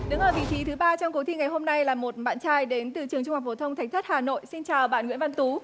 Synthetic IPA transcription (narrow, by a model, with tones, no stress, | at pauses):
ɗɨ˨˦ŋʔəː˨˩vḭ˧˨t͡ɕi˨˦t̪ʰɨ˨˦ɓaː˧t͡ɕɔ˧wŋ͡mko˨˦t̪ʰi˧ŋa˨˩jɦo˧mna˧jlaː˨˩mo˨˩t̚ɓa̰ː˧˨nt͡ɕaː˧jɗe˨˦nt̪ɨ˧˩t͡ɕɨ˨˩əŋt͡ɕʊ˧ŋ͡ma˨˩fo˨˩t̪ʰə˧ŋ͡mt̪ʰa˨˩ŋ̟t̪ʰə˦˥t̚haː˨˩no̰˧˨jsi˧nt͡ɕaː˨˩wɓa̰ː˧˨nŋwḭ˧˥ənva˧nt̪u˨˦